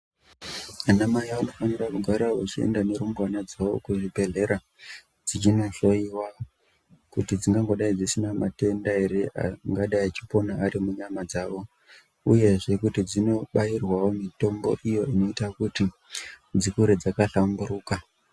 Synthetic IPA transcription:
anamajaano̞fanirakuɡʱaɾaot͡ʃiḛndane̞ɾumwanad͡zawo̞̰kuʐibʱe̞ɮe̞ɾa | d͡zit͡ʃino̞ɬo̞iwa | kutid͡ziŋɡaŋɡo̞ɗaid͡zisinama̰te̞ndaeɾeʔa̰ŋɡaɗaiat͡ʃi̥po̞naːɾimuɲamad͡zaːʋo̞ | uje̞ʐe̞kutid͡zino̞ɓairwawo̞mito̞mbo̞̰ʔijo̞ino̞itakuti | d͡zikuɾed͡zakaɬamburuːka

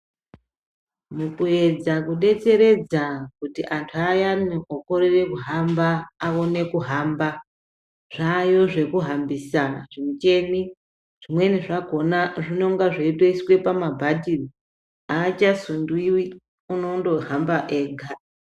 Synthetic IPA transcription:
mukue̞d͡zakuɗe̞t͡se̞ɾe̞d͡zakutiʔantʰuajanioko̞ɾire̞kuɦambaːo̞ne̞kuɦamba | ʐ̥ajo̞ʐe̞kuɦambisaʐ̥imut͡ʃe̞ni | ʐ̥imwe̞niʐaɡʱo̞naʐino̞ŋɡaʐeitweiswe̞pamabʱadʱiri | aːt͡ʃasundwiwi | uno̞ndo̞ɦambaʔe̞ːɡʱa

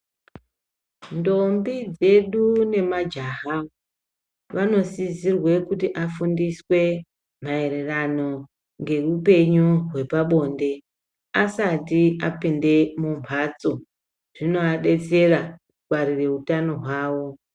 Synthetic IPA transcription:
ndo̞mbid͡ze̞ɗune̞mad͡ʒaɦa | ʋano̞sizirwe̞kutiʔafundiswe̞ | m̤ae̞ɾerano̞ | ŋɡe̞rupe̞ɲuɦwe̞paɓo̞nde̞ | asatiapinde̞mumpʰat͡so̞ | ʐ̥ino̞aɗe̞t͡se̞rakukwaɾire̞utano̞ɦwaːwo̞

